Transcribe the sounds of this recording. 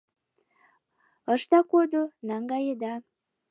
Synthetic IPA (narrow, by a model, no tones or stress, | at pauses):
əʃt̪ɑkod̪onɑŋɡɑjed̪ɑ